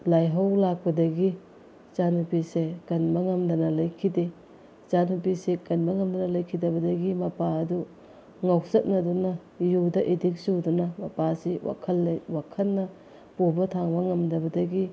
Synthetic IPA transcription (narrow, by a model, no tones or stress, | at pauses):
lajɦɐwlak̚pɐdɐɡi | t͡ʃanhupisekɐnbɐŋɐmdɐnɐlɐjkʰide | t͡ʃanhupisekɐnbɐŋɐmdɐnɐlɐjkʰidɐbɐdɐɡimɐpaɐdu | ŋawsɐt̚nɐdunɐ | judɐʔidik̚sudunɐmɐpasiwa̰kʰɐlːɐjwakʰɐlːɐ | pubɐtʰaŋbɐŋɐmdɐbɐdɐɡi